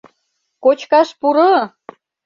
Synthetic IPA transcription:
kot͡ɕkɑʃpuɾɤ

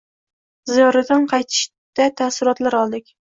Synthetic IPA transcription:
zijɒɾad̪anqʰɑjt̪ʰɪ̥ʃ | d̪̥at̪ʰasɪɾɒt̪laɾɒlˠd̪ɪk̚ʲ

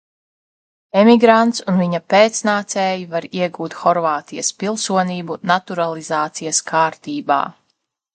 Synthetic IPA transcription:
emiɡɾant̪sunviɲɐpeːt̪snaːt̪sɛːjivaɾiɛɡuːt̪xɔɾvaːt̪ijɐspilˠsuɔniːbunat̪uɾalˠizaːt̪sijaskʰaːɾt̪iːba̰ː

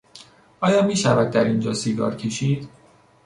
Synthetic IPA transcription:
ɒːjɒːmiːʃævæd̪̚ːæɾind͡ʒɒːsiːɡɒ̰ːɾcʰeʃiːd̪̥

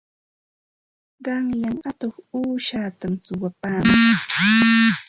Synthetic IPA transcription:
ɢɑŋʎaŋat̪oχuːʃaːt̪amsʊwapaːmaŋ

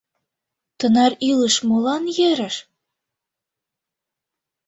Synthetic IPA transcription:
t̪ənɑɾiləʃmolɑnjeɾə̆ʃ

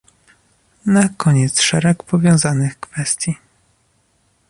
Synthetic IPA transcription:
nakʰɔɲɛt̪sʂɛɾɛkpɔvʲjɔ̃w̃zanɘxkfɛst̪ʲji

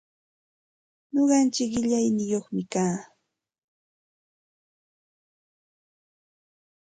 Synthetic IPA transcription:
ɲoɢɑnt͡ʃɪkɢɪʎajnɪjoχmɪkaː

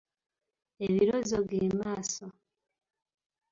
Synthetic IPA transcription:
eβiɾozoβjeːmaːso

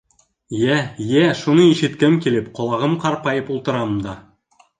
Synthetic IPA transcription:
jæjæʃunɤiʃɘ̆t̪kɘmkʲilɘpqŏlˠɑʁɤmqɑɾpɑjɤpulˠt̪ɤ̆ɾɑmd̪ɑ

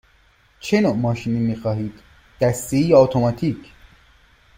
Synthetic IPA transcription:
t͡ʃʰenomɒːʃiniːmiːxɒːɦiːd̪̥ː | æst̪eiːɔt̪ʰomɒːt̪ʰiːcʰ

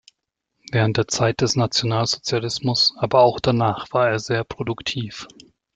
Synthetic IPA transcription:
vɛːʁ̞ənt̚d̥eːɐt͡saɪt̚d̥ɛsnat͡sjonaːlzot͡sjalɪsmʊsʔaːbɐaʊxd̥anaːχv̥aːɐeːɐzeːɐpʁ̥odʊktʰiːf

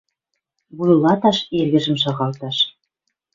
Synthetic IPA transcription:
βujlɑt̪ɑʃerɣə̆ʒə̆mʃ̬ɑɣɑlt̪ɑʃ

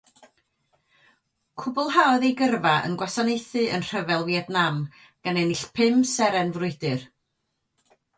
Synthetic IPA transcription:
kʰʊbʊlˠɦaɔðejɡərvaə̰nɡwasanejθɨʔə̰nr̥əvɛlˠviɛdnam | ɡ̥anɛnɪɬpʰɪmsɛɾɛnvrʊɨdɨr

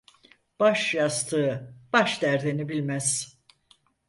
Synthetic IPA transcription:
b̥aʃjast̪ʰɯːb̥aʃd̪æɾd̪enibilʲmæz̥

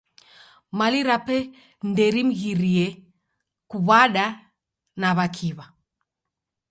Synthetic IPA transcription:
maliɾapɛ | ndɛɾim̩ɣiɾiɛ | kuβaɗa | naβakʰiβa

